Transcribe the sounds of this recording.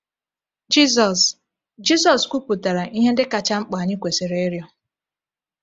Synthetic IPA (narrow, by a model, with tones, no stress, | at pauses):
d͡ʒi˦z̬ɔ˨s | d͡ʒi˦sɔ˨skʷu˦pu˨ta˨ɾa˨ʔi˦ɦe˦n̩˦dɪ˦ka˨t͡ʃa˦ŋ͡m̩˦k͡pa˨ɲɪ˦kʷe˨se˨ɾe˦e˦ɾjɔ˦